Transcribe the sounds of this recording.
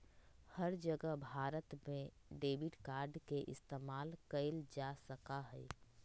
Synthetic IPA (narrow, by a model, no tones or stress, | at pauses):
hɐɾd͡ʒəɡəɦbʱaːɾət̪mẽ | ɖeːbɪʈkaːɾɖkeʔɪ̰st̪eːmaːlkəɪld͡ʒasəkaɦɛː